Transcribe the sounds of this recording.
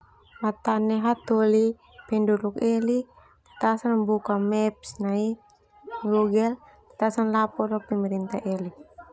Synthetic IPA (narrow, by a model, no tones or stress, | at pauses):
mat̪anɛɦat̪uli | pɛnduɾukɛli | t̪asanbukamɛp̚snai | ɡuɡɛl | at̪asanlapɔlɔpɛmɛɾint̪aʔɛli